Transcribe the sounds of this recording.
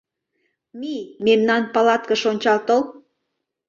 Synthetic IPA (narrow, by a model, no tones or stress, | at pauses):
mimemnɑnpɑlɑt̪̚kə̆ʃonʲt͡ɕɑlt̪ol